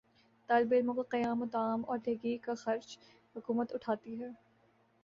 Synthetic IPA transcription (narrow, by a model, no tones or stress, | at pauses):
t̪aːlbeɾmʊ̃qqɐjaːmʊt̪aːmɔːɾd̪ʱeːɡikaxɐɾd͡ʒ | hʊkuːmət̪ʊʈʰaːt̪iɦɛː